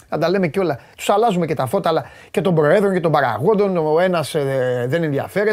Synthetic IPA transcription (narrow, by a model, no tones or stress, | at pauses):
nɐnd̪ɐle̞meceo̞lɐt̪u̥sɐlɐzume̞cet̪ɐfo̞t̪ɐːlɐ | ce̞t̪o̞mbɾo̞e̞ðɾonce̞t̪o̞mbɐɾɐ̰ɣo̞nd̪o̞noe̞nɐsðenenðiɐ̰fe̞ɾe